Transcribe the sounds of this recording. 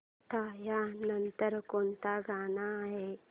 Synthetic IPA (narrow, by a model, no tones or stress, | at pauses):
t̪ajanənt̪əɾkont̪aɡanaːɦe